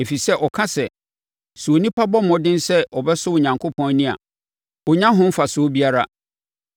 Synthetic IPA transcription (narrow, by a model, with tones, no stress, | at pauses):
e˨fi˨sɛ˦ʔɔ˨kʰã˦sɛ˨ | su˨o˨nĩ˦pʰa˦bɔ˦mɔ̃˨dɪ̃˦n˦sɛ˦ʔɔ˨bɛ˦sʊ˦wʊ˨ɲã˨ŋkʰʊ˦pʰɔ̃˦n˦nĩ˦a̰˨ | wʊ˨ɲã˦ɦʊ̃˦m̩˦fa˨sʊ˨˦bi˦a˦ɾa˦